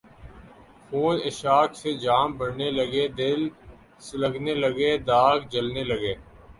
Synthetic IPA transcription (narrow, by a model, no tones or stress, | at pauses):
pʰuːnɪʃaːkʰsed͡ʒaːmbəɽneləɡeːd̪ɪl | sləɡneləɡeːd̪aːɡd͡ʒəlneləɡeː